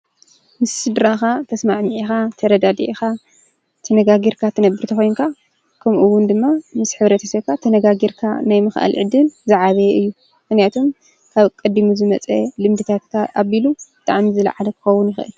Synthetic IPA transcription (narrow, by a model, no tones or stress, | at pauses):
mɨsːɨd̪ɾaxat̪ʰɐsmaʕmiʕixat̪ʰɐɾɐd̪ad̪iʕixa | t̪ʰɐnɐɡaɡiɾkʰat̪ʰɨnɐbːɨɾt̪ʰɐxojnkʰa | kʰɐmʔuwːʊnd̪ɨmːamɨsħɨβɾɐt̪ʰɐsɐkʰat̪ʰɐnɐɡaɡiɾkʰa̰najmɨxʔa̰lʕɨd̪ɨnzɨʕaβɐjɛɨjːu | mɨxnjat̪ʰom | kʰaβkʼɐd̪imuzɨmɐt͡sʼɐlɨmd̪ɨt̪ʰat̪kʰaʔaβilubɨt̪ʰʼa̰ʕmizɨla̰ʕalɐkʰɨ̥xɐwːʊnjɪxʔɨ̰l